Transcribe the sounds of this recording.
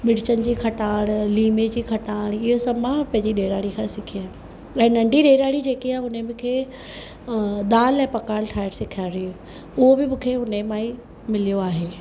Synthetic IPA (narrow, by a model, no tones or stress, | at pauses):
ɓɪɽt͡ɕənɪ̆d͡ʑiːkʰɐʈaːɽ̃liːmed͡ʑiːkʰɐʈaːɽ̃ɪɦosɐmãpɐ̃ɦɪ̃ɲd͡ʑiɗeːɾaːɽikʰãːsɪkʰiaː | ɛ̃ːnɐ̃ɳɖʱiɗeːɾaːɽid͡ʑeːkiaːɦʊnəmɪ̃kʰeː | d̪aːlɛ̃pɐkaːlʈʰaːɪɾsɪkʰaːɾiu | ʊɦobɪmʊ̃kʰeːʊnemaːi | mɪlijoaːɦeː